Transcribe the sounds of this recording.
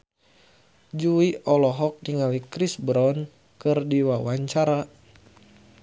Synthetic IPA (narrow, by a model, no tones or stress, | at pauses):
d͡ʒuiʔɔlɔɦɔk̚niŋalikɾisbɾɔn | kɨrdiwawaɲt͡ʃaɾa